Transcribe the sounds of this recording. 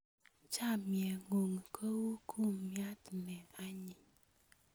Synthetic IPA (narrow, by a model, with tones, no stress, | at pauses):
t͡ʃa˦˨mje˨ŋo˨ŋ˨kʰə˦wu˦kʰu˦˨m˨mja˦tnɛ˨a˦ɲi˨